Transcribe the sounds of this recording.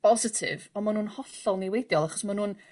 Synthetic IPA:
b̥ɔzɪtʰɪ̰vɔmanuːnhɔɬɔlˠnewejdjɔlˠaχɔ̥smanuːn

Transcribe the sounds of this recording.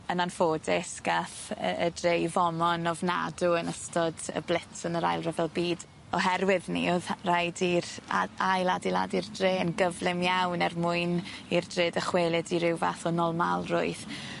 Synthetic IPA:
ənanfoːdɪsɡ̥aθədrejvɔmɔnɔvna̰duənəstɔdə̰blˠɪtsənəɾa̰jlˠrɛvɛlˠbiːd | ɔɦɛrwɪðnḭoðrajdiraajlˠadilˠa̰dirdreːənɡəvlˠɪmjawnɛrmʊɨnirdrɪdəχweːlˠɪdiɾɪwvaθɔnɔlˠmalˠrʊ̰ɨθ

